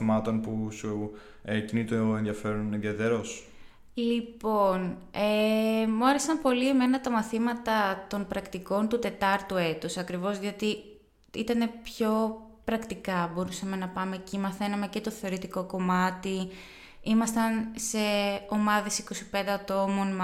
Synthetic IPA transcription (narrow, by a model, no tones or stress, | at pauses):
imɐt̪o̞npusu | cinit̪oenðjɐfe̞ɾunenðjɐt̪eɾos | lipo̞nemuɐɾe̞sɐmpo̞lieme̞nɐt̪ɐmɐθimɐt̪ɐt̪o̞npɾɐkt̪iko̞nt̪ut̪e̞t̪ɐɾt̪ue̞t̪usɐkɾivo̞zðiot̪i | it̪ɐne̞pço̞ | pɾɐkt̪ikɐbo̞ɾusɐme̞nɐpɐme̞ːcimɐθe̞nɐme̞ce̞t̪o̞θe̞o̞ɾit̪iko̞ko̞mɐt̪i | imɐst̪ɐnse̞o̞mɐðe̞siko̞si̥pe̞nd̪e̞ɐt̪o̞mo̞n